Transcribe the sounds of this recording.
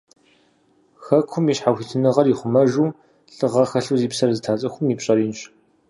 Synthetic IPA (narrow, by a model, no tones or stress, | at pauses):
xɐkʷʰʊmiɕħaxʷitʰɨnɨʁɐriχʷʊmɐʒuː | ɬɨʁɐxɐɬuːziːpsɐrzɨtʰaːt͡sʼɐxʷʊmiːpɕʼɐɾiːnɕ